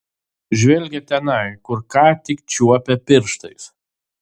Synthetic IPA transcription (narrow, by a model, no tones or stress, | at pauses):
ʒʲʋʲɛlʲɡʲɛt̪ʲɛnɐɪkʊɾkɑːt̪ʲɪkt͡ʃʲuɔpʲɛpʲɪɾʃt̪ɐɪs